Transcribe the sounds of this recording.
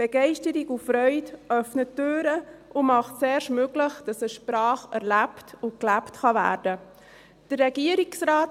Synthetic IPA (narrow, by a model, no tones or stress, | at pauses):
b̥ɛɡ̥ɛɪʃtəɾiɡufɾœʏtʔœfnətːøːɾəʔʊmɑχtsɛːɾʃmøɡləχd̥ɑsəʃpɾɑːχɛɾlæptʊklæptχɑvæ̰ːɾdə | d̥ərːɛɡiəɾiksraːt